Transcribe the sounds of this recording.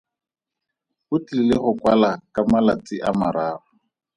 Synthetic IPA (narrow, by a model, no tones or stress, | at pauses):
ʊt͡ɬʼilɪlɪχʊkwalakʼamalat͡sɪʔamaɾaːrʊ